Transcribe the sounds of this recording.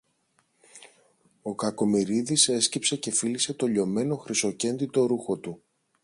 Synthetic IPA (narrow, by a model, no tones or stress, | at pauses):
o̞kɐko̞miɾiðise̞scipse̞ce̞filise̞t̪o̞ʎo̞me̞no̞xɾiso̞ce̞nd̪it̪o̞ɾuxo̞t̪u